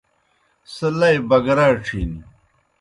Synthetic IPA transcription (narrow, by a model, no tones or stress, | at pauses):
sɐlɐjbɐɡɐɾaːʈ͡ʂʰḭːni